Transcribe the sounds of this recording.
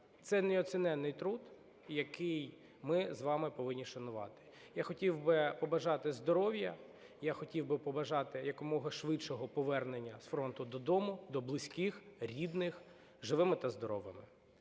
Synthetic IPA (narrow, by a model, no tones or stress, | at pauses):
t̪sɛnɛɔt͡sʲɪnɛnːɪjt̪ɾud̪ | jɐkɪj | mɪzʋɑmɪpɔʋɪnʲːiʃɐnʊʋɑ̰t̪ɪ̥ | jaxɔtʲiwbɪpɔbɐʒɑt̪ɪzd̪ɔɾɔwjɐ | jaxɔtʲiwbɪpɔbɐʒɑt̪ɪjɐkɔmɔɦɐʃʋɪt͡ʃɔɦɔpɔʋɛrnenʲːɐsfɾɔnt̪ʊd̪ɔd̪ɔmʊd̪ɔblˠɪsʲkɪxɾʲid̪nɪx | ʒɪʋɪmɪt̪ɐzd̪ɔɾɔʋɐmɪ